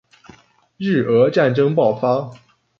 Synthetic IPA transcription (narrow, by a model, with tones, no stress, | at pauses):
ɻ̩˥˩ə˧˥ʈ͡ʂa˥˨˩nʈ͡ʂɤ˥ŋpɑ˥˩ʊfa˥